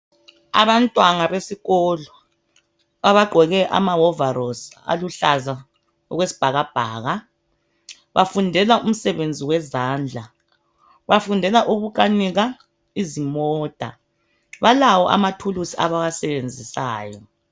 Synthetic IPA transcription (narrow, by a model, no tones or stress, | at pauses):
a̰βantʼwaŋaβesiɣɔlɔ | βaβaɡ͡ǃʱɛɣɛʔa̰maɔvaɾɔsa̰luɬaza | ɔɣwesi̥b̥ʱaɣab̥ʱaːɣa | βafundʱɛlaʔum̩sɛβend͡zʱiwɛzaːnd͡ɮʱa | βafundʱɛlaʔuɣuk̬ʼaniɣa | izimɔːd̥ʱa̰ | βalawɔʔa̰matʰulusia̰βaɣasɛβend͡zʱisaːjɔ